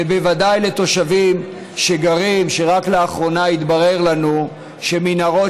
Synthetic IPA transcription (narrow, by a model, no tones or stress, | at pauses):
ebe̞vad̪ajle̞t̪o̞ʃavim | ʃe̞ɡaʁimʃe̞ʁakleaχʁo̞nait̪baʁe̞ʁlanu | ʃe̞minaʁo̞